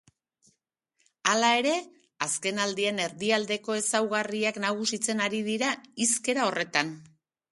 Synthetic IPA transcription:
alae̞ɾe̞ | aske̞nald̪iene̞ɾðiald̪e̞ko̞e̞sawɣariaknaɣ̞usit͡se̞naɾið̞iɾaiske̞ɾao̞re̞t̪an

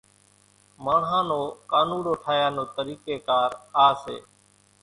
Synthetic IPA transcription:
maːɳɦãːnoːkaːnũːɽoːʈʰaːjaːnoːt̪əɾiːkeːkaːɾaːsḛː

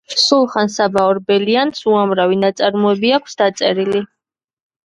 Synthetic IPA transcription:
sulˠχansabaɔɾbɛliansuamɾavinat̪sʼaɾmɔɛbiakʷʰsd̪at̪sʼɛɾili

